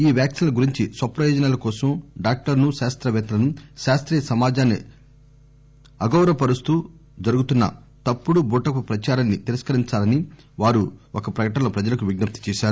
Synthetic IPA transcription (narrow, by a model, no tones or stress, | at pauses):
iːʋjaːksinlɐɡuɾiɲt͡ʃisʋɐpɾɐjɔːd͡ʒɐnaːlɐkɔːsɐmɖaːk̚ʈɐɾnuʃaːst̪ɾɐʋɛːt̪ɐlɐnuʃaːst̪ɾiːjɐsɐmaːd͡ʒaːnːḭ | ɐɡɐwɾɐpɐɾust̪u | d͡ʒɐɾuɡut̪unːɐ̰ | t̪ɐpːuɽubuːʈɐkupɾɐt͡ʃaːɾɐnːit̪iɾɐskɐɾiɲt͡ʃaːlɐni | ʋaːɾuɔkɐpɾɐkɐʈɐlɐpɾɐd͡ʒɐlɐkuʋiɡnɐp̚t̪i̥t͡ʃɛːʃaːɾu